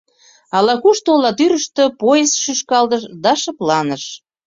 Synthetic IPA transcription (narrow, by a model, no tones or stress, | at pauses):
ɑlɑkuʃt̪olɑt̪yɾəʃt̪ø̆pojesʃyʃkɑlt̪əʃd̪ɑʃə̆plɑnəʃ